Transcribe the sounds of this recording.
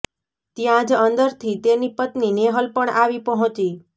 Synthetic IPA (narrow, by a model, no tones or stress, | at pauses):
t̪jãd͡ʒənd̪əɾt̪ʰit̪enipət̪nineɦəlpəɳʔaʋipəɦɔ̃t͡ʃi